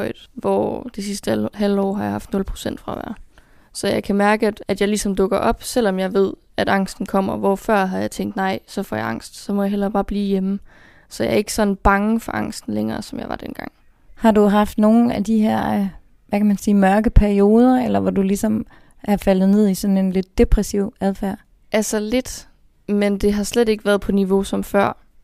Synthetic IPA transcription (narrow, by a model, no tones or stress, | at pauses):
ɪðˠʋɒ̰d̥esisd̥əhældɒ̰ːɦɑ̈jɑ̈hɑ̈fd̥nɔ̽lpʰʁo̝̥sen̰d̥fʁɑ̈ʋæ̰ɐ̰ | sɒ̽jɑ̈ɪkʰæmæɐɡ̥əæ̥æd̥jɑ̈ɪlisɒ̽md̥ɔ̽ɡ̥ɐʔɒ̽b̥sel̰ɒ̽mjɑ̈ɪʋe̝ð̞̰ˠ | æd̥ɑ̈ŋ̰sd̥n̩kʰɒ̽m̰ɐʋɒfɶɐ̰ɦɑ̈jɑ̈ɪt͡sʰeŋ̰ɡd̥nɑ̈ɪ̰sɒ̽fɒ̰ːjɑ̈ʔɑ̈ŋ̰sd̥sɒ̽mɒ̽jɑ̈ɦel̰ɐb̥ɑ̈ːb̥liːjemə | sɒ̽jɑ̈ɐe̝ɡ̥ə̥sɒ̽d̥n̩b̥ɑ̈ŋəfɒ̽ʔɑ̈ŋ̰sd̥n̩leŋɐːsɒ̽mjɑ̈ɪʋɑ̈d̥enɡ̥ɑ̈ŋ̰ | hɑ̈duɦɑ̈fd̥no̝ːn̩æd̥iɦæɐ̰ | ʋækʰæmænsiːmɶɐɡ̥əpʰæɐio̝ːð̞ˠɐelɐʋɒd̥ulisɒ̽m | ʔæɐfæl̰ð̩ˠne̝ð̰ˠisɒ̽ne̝nle̝d̥ːe̝pʰʁɛsiʊæðˠfæɐ̰ | ʔælsɐle̝d̥ | mend̥e̝ɦɑ̈slede̝ɡ̥əʋæːɐðˠpʰɒ̽niʋo̝sɒ̽mfɶɐ̰